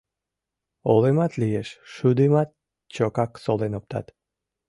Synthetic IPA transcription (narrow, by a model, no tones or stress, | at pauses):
olemɑt̪lijeʃʃud̪emɑt̪̚ | t͡ɕokɑksolenop̚t̪ʰɑ̰t̪